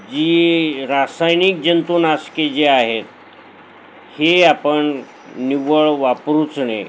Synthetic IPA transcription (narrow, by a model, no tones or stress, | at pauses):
d͡ʑiːɾasajnik̚d͡ʑənt̪unasked͡ʑeaɦet̪̚ | heapəɳ | niʋəɭʋapɾut͡sɳḛ